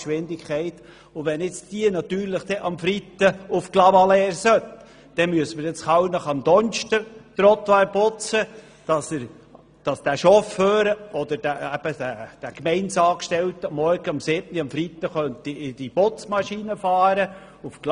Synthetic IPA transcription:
ʃʋɪnd̪ɪkχɛɪt̪ | ʊʋɛnɪt͡sd̥iənɑt̪yːɾlɪχd̥̪ɛʔɑmfɾit̪ːəufklɑmɑlɛːɾsœt̪ | d̥ɛmyəsəməɾɪt͡sχɑwnəχɑmd̪ɔnʃtət̪ɾɔt̪ʋɑːɾpʊt͡sə | d̥ɑsəɾ | d̥ɑsd̥æʃɔfhøːɾəɔd̥̪əɾd̥ææb̥əd̥æd̥ækmɛɪnsɑːkʃtɛltəmɔɾɡ̥əɑmsɪbniɑmfɾit̪ːəχœnt̪iɪd̥ib̥ot͡smɑʃinəfɑːɾə | ufkl

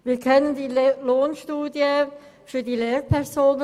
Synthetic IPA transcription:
ʋiːkʰœnəndiːloːnʃtuːdjə | fydileːɹpʰɛʁsoːnə

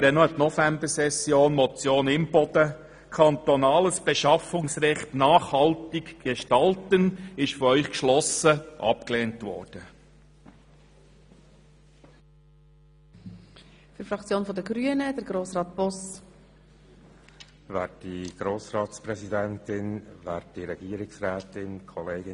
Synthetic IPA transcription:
ɾɛnɔɛtnɔfɛmbəɾsɛsjoːnmɔt͡sjoːnɪmb̥ɔd̥ə | kʰɑnt̪ɔnɑːləsb̥eʃɑfʊŋsɾɛχtnɑːχhɑltɪɡɡ̥eʃtɑltənɪʃfɔɾœʏχkʃlɔsəʔɑ̰pkleːntʋɔ̰ːɾd̥ə | fyɾfɾɑkt͡sjoːnfɔd̪əɡɾyənəd̪əɾɡɾoːsɾɑːt̪̚b̥ɔs | væːt̚d̥iɡ̥ɾoːsɾɑːtspɾɛsidɛntɪnvæːtd̥iɾɛɡiːəɾɪksɾɛːtɪnkʰɔleːɡɪ

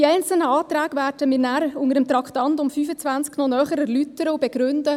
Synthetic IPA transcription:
iɛɪnt͡səl̩nəɑːt̪ɾæːɡvæːɾdəmiːɾnæɾʊŋəɾəmt̪ɾɑkʰtɑntʊmfyːfət͡svænt͡sknɔnœːχəɾəlytːəɾəʊbɛɡ̥ɾʏndə

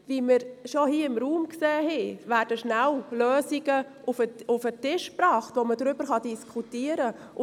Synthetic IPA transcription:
viməɾʃohiːəɪmɾuːmkseːɦɛvæːɾd̥əʃnælløːsiɡə | ufəʊfətɪʃpɾɑːχtvʋomədɾʏbəɾχɑdiskʰutiəɾə

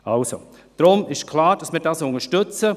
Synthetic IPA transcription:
ʔalso̰ | d̥ɾʊmɪʃkʰlaːɾd̥ɑsmədasʊŋəʃtʏt͡sə

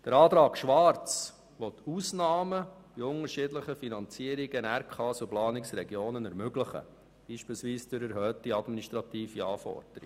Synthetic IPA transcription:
d̥əɾɑːt̪ɾɑːɡʃʋɑɾt͡s | ʋɔt̪ːuːsnɑːməb̥iʊŋəɾʃɪdləχəfinɑnt͡siəɾiɡ̥ənæɾkʰɑːsuplɑːniksɾɛɡjoːnənɛɾmøɡlɪχə̰ | b̥iːʃpiːlsʋiːsd̥øɾɛɾɦœːtiɑdminiʃtɾɑt̪iːfiɑ̰ːfɔ̰ɾd̥əɾḭ

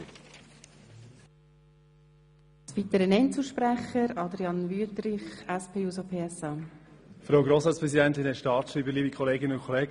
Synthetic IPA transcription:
sʋit̪əɾənɛnt͡suːʃpɾæχəɾɑd̪ɾiɑnvyːtɾɪχɛspʰeːuːsopʰeːɛsɑːfɾawɡɾoːsɑːtt͡sspɾɛsidɛntɪnhɛtʃtɑːɾtʃɾiːbəliːbikʰχɔleːɡɪnəʊnkʰɔleːɡ

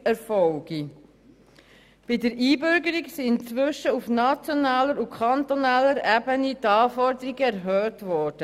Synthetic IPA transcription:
ɛɾfɔwɡ̥i | b̥idəɾʔiːbʏɾɡəɾiksiɪnt͡sʋʏʃəufnɑt͡sjɔnɑːləɾukʰχɑnt̪ɔnaːlːəɾæbənitɑːfɔɾdəɾiɡəæɾɦœːtʋɔɾd̥ə

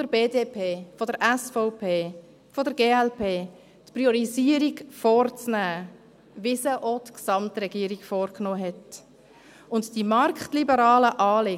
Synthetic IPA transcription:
d̥əɾbeːdeːpʰeːfodəɾʔɛsfɔʊpʰeː | fodəɾɡeːɛlpʰeː | tpɾiɔɾiziəɾiɡfɔːɾt͡snæː | vɪsəʔotksɑmtɾɛɡ̥iəɾiɡfɔːɾknoːɦɛt | ʊntd̥imɑɾkχtlibəɾɑːləʔɑːlɪ

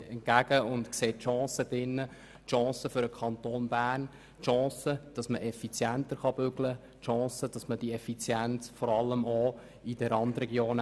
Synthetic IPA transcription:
ɛnkæɡ̥əʊntkseːtːʃɑ̃ːsəd̥ɪnːə | tʃɑ̃ːsəfʏɾəkʰɑntoːnbæːrn | tʃɑ̃ːsəd̥ɑsməʔɛfit͡sjænt̪əɾχɑb̥ʏɡlə | tʃɑ̃ːsəd̥ɑsməd̥iɛfit͡sjænt͡sfɔɾɑlːəmɔ | id̥ɛɾɑnd̪ɾɛɡjoːn

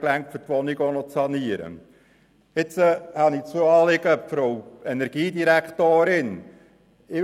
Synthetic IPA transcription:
klæŋktfʏɾtʋɔniɡonɔt͡sɑniəɾə̰ | ɪt͡səhɑnit͡suəɑːlɪɡəfɾowɛnɛɾɡ̥iːd̪iɾækʰt̪oːɾɪn | ɪ

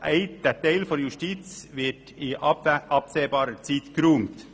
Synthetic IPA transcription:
ʔæɪd̥ɛtɛɪlfɔɾjuʃtit͡sʋɪt | ɪʔɑpseːbɑːɾət͡siːt̪kɾuːmt̪

